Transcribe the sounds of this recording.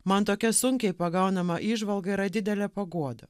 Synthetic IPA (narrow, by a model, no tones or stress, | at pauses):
mɐnt̪oːkʲɛsʊŋʲkʲɛɪpɐɡɐʊnɐmɐʔiːʒʋɐlˠɡɐiɾɐd̪ʲɪd̪ʲɛlʲɛpɐɡuɔd̪ɐ